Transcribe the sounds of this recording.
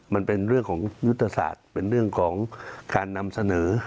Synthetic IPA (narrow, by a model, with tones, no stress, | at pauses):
ma˧npe˧nɾɯ˥˩əŋkʰɔː˩˦ŋju˦˥t̪ʰːa˧sa̰ː˨˩t̪̚pe˧nɾɯ˥˩əŋkʰɔː˩˦ŋkaː˧nːa˧msa˧nɤː˩˦